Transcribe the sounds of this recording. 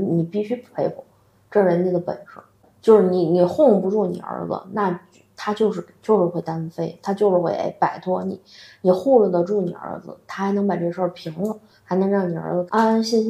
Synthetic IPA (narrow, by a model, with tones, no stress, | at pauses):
ni˨˩pi˥˩ɕy˥ppʰe˧˥ɪkɔ˨˩˦ | ʈ͡ʂɤ˥˩ɻə˧˥nni˨˩d̪ə˦pə̰˨˩nʈ͡ʂ̩˧˥ | t͡ɕjo˥˧ʊʂɻ̩˥˩ni˧˩ni˨˩xʊ˥˧ŋ˧˩pu˧˥ʈ͡ʂu˥˩nḭ˨˩ə̰˞˧˥d͡z̩̰˧na˥˩˥ | t̪ʰa˥t͡ɕjo˥˧ʊʂɻ̩˥˩t͡ɕjo˥˧ʊʂɻ̩˥˧xwe˥˩ɪt̪a˥n˧fe˥˧˩ɪt̪ʰa˥t͡ɕjo˥˧ʊʂɻ̩˥˧xwe˥˩ɪʔḛ˥˩ɪpa˨˩ɪt̪ʰwɔ˥ni˨˩˦ni˨˩xu˥˧lə˥˩d̪ə˩ʈ͡ʂu˥˩nḭ˨˩ə̰˞˧˥d͡zɹ̩̰˧t̪ʰa˥xa˧˥ɪnɤ˧˥ŋpa˨˩ʈ͡ʂɤ˥˩ə˧ʂə˥˩pʰi˧˥ŋlə˧ | xɪnɤ˧˥ŋɻɑ˥˩ŋni˨˩ə̰˞˧˥d͡z̩˧ʔa˥nɕi˥